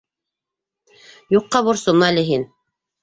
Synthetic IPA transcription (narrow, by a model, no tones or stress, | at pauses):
juqːɑβuɾsomɑlɘɦin